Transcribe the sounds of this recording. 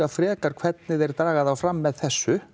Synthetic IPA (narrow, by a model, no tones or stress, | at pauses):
afɾɛːkaɾ̥kʰv̥ɛt̪nɪðɛɾ̥t̪ɾaːɣaðawfɾamːɛðθɛsːʏ